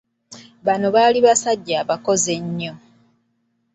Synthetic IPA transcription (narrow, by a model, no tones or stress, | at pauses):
βano̞βaːliβasaɟːaːβako̞ze̞ɲːo